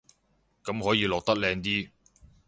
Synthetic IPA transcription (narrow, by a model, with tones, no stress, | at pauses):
kɐ˨˥mɦɔː˨˥jiː˧lɔː˨k̚t̪ɐ˥k̚lɛː˧ŋt̪iː˥